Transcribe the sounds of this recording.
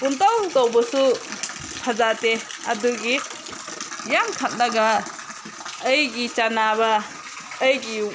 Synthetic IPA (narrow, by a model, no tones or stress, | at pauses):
puntawtawbɔsu | pʰazateaduɡi | jamkʰat̚naɡa | jɡit͡ʃanaβaː | jɡi